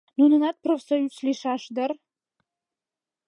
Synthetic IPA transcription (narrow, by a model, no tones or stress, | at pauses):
nunɨnat̪̚pʰrofsajut͡sʰliʂaʂd̪ɐr